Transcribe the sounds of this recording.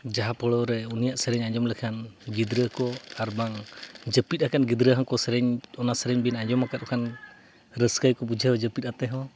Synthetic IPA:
d͡ʒaɦapɔɭɔɾɛunijaʔsəɾɛɲaɲd͡ʒɔmlɛkʰanɡid̪ɾəkɔaɾbaŋd͡ʒəpit̪̚hakanɡid̪ɾəɦakɔsəɾɛɲɔnasəɾɛɲbinaɲd͡ʒɔmakat̪̚ɔkʰan | ɾəskəjkɔbud͡ʒʱəd͡ʒəpit̪̚at̪ɛɦɔ̃

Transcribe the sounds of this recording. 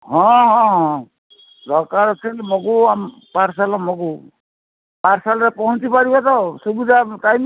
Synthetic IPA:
ɦɔ̃ɦɔ̃ɦɔ̃ | d̪ɔɾkaɾɔt͡sʰemɔkuam | paɾsalɔmɔku | paɾsalɾepɔɦũnt͡sipaɾibat̪ɔsubid̪ʱatajm

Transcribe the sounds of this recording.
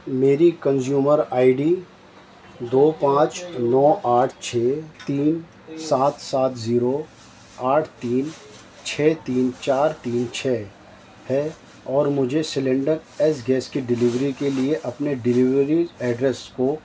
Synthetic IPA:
meːɾikə̃nzjuːməɾaːɪɖiː | d̪oːpãːt͡ʃnɔːʔaːʈʰt͡ʃʰeːt̪iːn | saːt̪saːt̪ʰziːɾo | aːʈʰt̪iːn | t͡ʃʰɛːt̪iːnt͡ʃaːɾt̪iːnt͡ʃʰɛː | hɛ | ɔːɾmʊd͡ʒʱesɪlɛ̃ːɳɖəɾɛːs̬ɡɛːskiɖɪlɪʋɾikelieʔɐpneɖɪlɪʋɾiɛːɖɾɛsko

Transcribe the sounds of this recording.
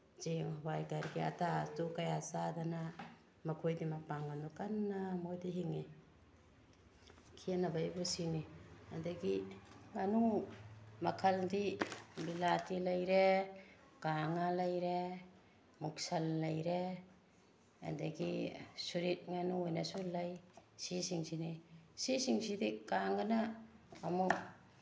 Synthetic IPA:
d͡ʒiŋhwajkaɾɡia̰tatukajasadana | makʰojdimapaŋanukanːamojdiɦiŋi | kʰianabajbusiniadɐɡiŋanu | mɐkʰɐldibilatilajɾe | ɡ̥aŋalajɾe | muk̚salːajɾe | a̰daɡisuɾit̚ŋanuojnasulajsisiŋsinisisiŋsidikaŋɡanaː | muk̚

